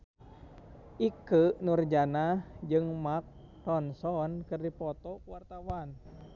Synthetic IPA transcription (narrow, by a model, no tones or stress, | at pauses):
ʔikənurd͡ʒanad͡ʒɨŋmak̚ | t̪ɔnsɔnkɨrdipɔt̪ɔkwart̪awan